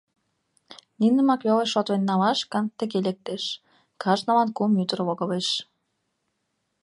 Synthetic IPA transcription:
ninə̆mɑkβʲeleʃot̪βenʲːɑlɑʃkə̆nt̪ə̆ɣelek̚t̪eʃ | kʰɑʒnɑlɑnkumjyt̪ərβoɣə̆βeʃ

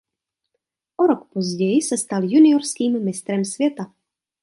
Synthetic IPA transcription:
ʔoɾokpozɟɛjɪsɛst̪aljunɪoɾskiːmmːɪst̪ɾɛmsvʲjɛt̪a

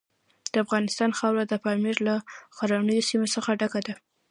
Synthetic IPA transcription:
d̪̥əafɣɑnɪst̪ɑnxawlad̪əpɑmiɾlaxaɾanəjosimosəxaɖakad̪a

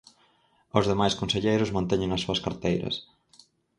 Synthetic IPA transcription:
ozðemajskõnseʎejɾʊzmãnt̪eɲɪŋɐsːuɐskaɾt̪ejɾɐ̰s

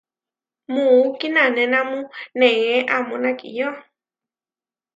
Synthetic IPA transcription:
mukinanɛnamʊ̃nɛŋɛʔamunakʼḭjɔ

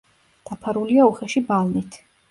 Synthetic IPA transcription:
d̪̥apʰaɾuliauχɛʃibalˠnit̪ʰ

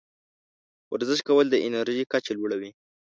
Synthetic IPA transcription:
waɾzəʃkawəld̪əʔɪnaɾʒikat͡ʃelwuɽawi

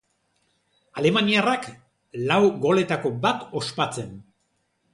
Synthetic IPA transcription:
ale̞maniarak | lawɡo̞le̞t̪ako̞bat̪o̞spat͡se̞n

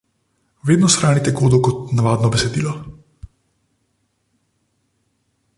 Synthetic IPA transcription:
ʋeːd̪nɔsxɾaːnit̪ɛɡoːd̪ukɔt̪naʋaːd̪nɔbɛsɛd̪iːlɔ

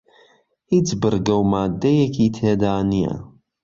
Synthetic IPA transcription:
it͡sːbəɾɡæwmaʕd̪ːæjækt͡sːæd̪aʕnijæ̰

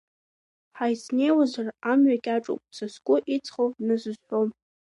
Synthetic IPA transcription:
ħajsnejwazaramɥaɡʲʼaʈ͡ʂʼo̰pʼt͡sʰaskʷʼʊʔit͡sʰʼχownɨzɨzħʷᶣom

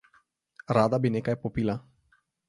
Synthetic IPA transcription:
ɾad̪abinekajpɔpila

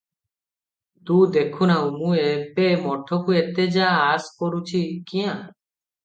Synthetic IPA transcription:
t̪ud̪ekʰunaumuepemɔʈʰːokuet̪ed͡ʒaːskoɾut͡ʃʰikiã

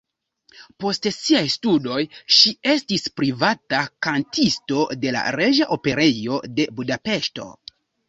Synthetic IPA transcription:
po̞stsiajstudo̞jʃie̞stispɾivatakantʰisto̞de̞la̰ɾe̞ʒaʔo̞pe̞ɾe̞jo̞de̞budape̞ʃto̞̰

